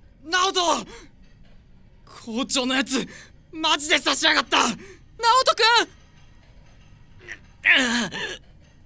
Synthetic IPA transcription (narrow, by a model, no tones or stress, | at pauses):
naot̪o | kʰoːt͡ɕo̞ːno̞jat͡sɨ | mad͡ʑid̪e̞saɕiaɡat̪ːa | naot̪okɯ